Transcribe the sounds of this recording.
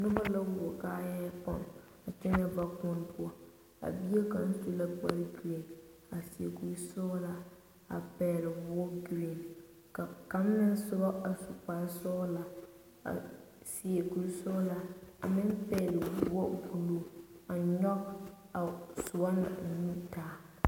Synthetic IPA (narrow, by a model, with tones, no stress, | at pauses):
nʊ˦ba˦la˦wʊ˨ɔ˨ka˦jɛː˦pa̰˦˨m | a˨t͡ʃɛ˦na˦ba˦kʊ˦n˦pʊ˦a˦ | a̰˨bi˦e˦ka˨n̩˦tu˦la˦ba˦lɡi˨le˨n | a˨si˨e˨ku˨˦sɔ˦la˦ | a̰˨pɛː˨lɪ˨bu˨˦ɔ˦ɡi˨le˨n˨ | ka˨ka˦m˦na˦sʊ˦ba˦a˨sʊ˨k͡pa˨˦sɔ˦la˨ | a̰˨ | si˨e˨ku˨ɾsɔ˦la˦a̰˨mɪ˦npɛ˦˨lɪ˨bu˨wɔ˦˨bu˨lo˦a˨ɲɔ˦k̚ | a˨sʊ˨ba˦na̰˨ni˦taː˦